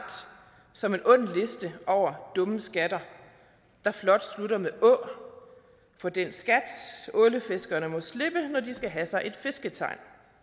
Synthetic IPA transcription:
d̥ | sɒ̽me̝nʔɔ̽n̰n̩le̝sd̥əʔɒʊ̰ɐd̥ɔ̽məsɡ̥æd̥ɐ | d̥ɑ̈flɒ̽d̥sluɾɐmeʔɔ̽ | fɒ̽d̥ensɡ̥æd̥ɔ̽ləfe̝sɡ̥ɐnəmɔ̽sle̝b̥ənɒdisɡ̥æɦæsɑ̈ɪʔe̝d̥fe̝sɡ̥ət͡sʰɑ̈ɪ̰n

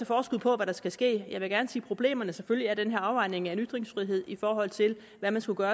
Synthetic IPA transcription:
æfɒːsɡ̥uð̰ˠpʰɒ̽ʋæɾ̥ɑ̈sɡ̥æsɡ̥e̝̰ːjɑ̈ɪʋe̝ɡ̥æɐnəsiːpʰʁo̝b̥le̝̰ːmɐnəseføljiæɐd̥enɦeɐɑ̈ʊʋɑ̈ɪ̰ne̝ŋæe̝nyd̥ʁeŋsfʁiɦe̝ð̞̰ˠifɒːɦɒ̽l̰t͡sʰe̝l | ʋæmænsɡ̥uɡ̥ɶːɐ

